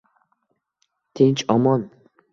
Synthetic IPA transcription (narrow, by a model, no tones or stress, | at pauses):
t̪ʰent͡ʃɒmɒn